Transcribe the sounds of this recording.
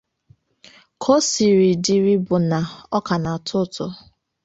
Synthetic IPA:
kʰo˦si˨ɾi˨di˨ɾi˦bʊ˨na˨ɔ˦ka˨na˨tʰʊ˦tʊ˨

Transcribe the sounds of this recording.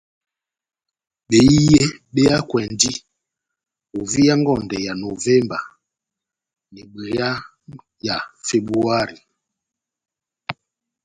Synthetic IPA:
ɓe˨i˦je˦ɓe˦ja˦kwɛ˨ndi˦ | o˨vi˦ja˦ŋɡɔ˨ndɛ˨ja˨no˨vɛ˦mba̰˨ | nɛ˨ɡ͡bɛ˨ja˦ | ja˨fe˨bu˦a˦ɾi˨

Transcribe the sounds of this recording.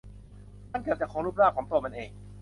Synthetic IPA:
ma˥˨nkaː˧˩wt͡ɕa˨˩kʰɔː˨˦ɾuː˦˥˩p̚ɾaː˥˩pkʰɔː˩˦ŋt̪u˧ɐma˧nʔeː˧ŋ

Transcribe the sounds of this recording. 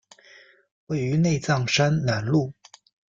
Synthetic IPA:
we˥˩ɪy˧˥ne˥˧ɪt͡sɑ˥˩ŋʂa˥nna˨˥nlu˥˩

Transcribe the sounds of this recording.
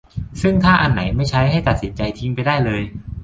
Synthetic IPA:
sɯ˥˩ŋt̪ʰaː˥˩ʔa˧nːa˩˦jma˥˩jt͡ɕʰa˦˥jɦa˥˩jt̪a˨˩t̪̚si˩˦nt͡ɕa˧jt̪ʰi˦˥ŋpa˧jdaː˥˩jlɤː˧j

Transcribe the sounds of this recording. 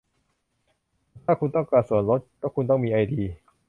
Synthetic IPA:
t̪ʰaː˥˩kʰu˧nt̪ɔ˥˩ŋkaː˧˩su˨˩˦ənɾo˦˥t̪̚kɔː˥˩kʰu˧nt̪ɔ˥˩ŋmiː˧ʔa˧jdiː˧

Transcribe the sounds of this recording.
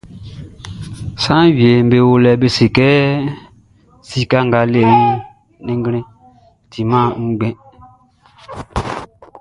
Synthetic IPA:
sã˦wi˨e˨m˦be˨wo˦lɛ˨be˦si˨kɛ˦ | si˦ka˦ŋɡa˨le˨u˦ | nĩ˦ŋɡɾɛ̃˦ | ti˨mã˦ŋ̩˦ɡ͡bɛ̃˦

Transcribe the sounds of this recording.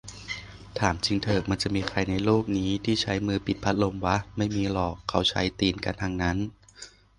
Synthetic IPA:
t̪ʰaː˩˦mt͡ɕʰi˧ŋt̪ʰɤː˨˩k̚ma˧nt͡ɕa˨˩ʔmiː˧kʰa˧jna˧jluː˥˩k̚niː˦˥t̪ʰiː˥˩t͡ɕʰa˦˥jmɯː˧pi˨˩t̪̚pʰa˦˥t̪̚lo˧mwa˦˥ma˥˩jmiː˧lɔː˨˩kʰːa˦˥wt͡ɕʰa˦˥jt̪iː˧nka̰˧nt̪ʰaː˧ŋna˦˥n

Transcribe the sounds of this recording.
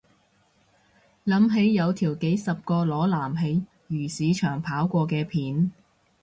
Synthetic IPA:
lɐ˨˧˥mɦe˨˥jːɐ˨˧wt̪ʰiː˨˩wke˨˥jsɐ˨p̚kɔː˧lɔː˨˥laː˨˩mɦe˨˧j | jyː˨˩siː˨˧t͡ʃʰœː˨˩ŋpʰaː˨˥wkʷɔː˧kɛː˧pʰiː˨˥n

